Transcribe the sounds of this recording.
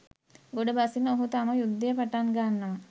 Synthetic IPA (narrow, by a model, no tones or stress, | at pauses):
ɡoɖəbasinoɦut̪aməjud̪ːəjəpaʈaŋɡanːəʋa